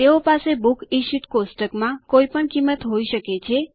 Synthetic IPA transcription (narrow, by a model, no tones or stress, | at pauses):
eopasebukiʃiʈkosʈəkmãkoipəɳkimːət̪ɦoiʃəket͡ʃʰe